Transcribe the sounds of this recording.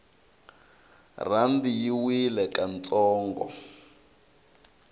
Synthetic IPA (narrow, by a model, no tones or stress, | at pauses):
randijiwilɛkant͡sɔːŋɡɔ̰